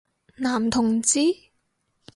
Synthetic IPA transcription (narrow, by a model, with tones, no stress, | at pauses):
naː˨˩mt̪ʰʊ˨˩ŋt͡siː˨˥